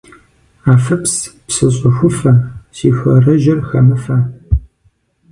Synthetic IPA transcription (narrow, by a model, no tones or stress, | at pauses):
aːfɐpspsɨɕʼɐxʷʊfɐsiːxʷɐrɐʒɪrxɐmɨfɐ